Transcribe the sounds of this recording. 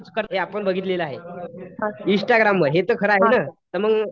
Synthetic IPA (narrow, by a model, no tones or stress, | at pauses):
t͡skəɾɦeapəɳbəɡʱit̪leləaɦe | ĩsʈaɡɾamʋəɾɦet̪əːkʰəɾəaɦenat̪əɾməɡ